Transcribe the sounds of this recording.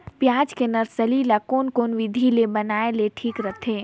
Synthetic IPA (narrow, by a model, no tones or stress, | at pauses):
pjaːd͡ʒkenɐɾsəlilakoːnkoːnʋɪd̪ʱilebɐnaːeleʈʰiːkɾət̪ʰeː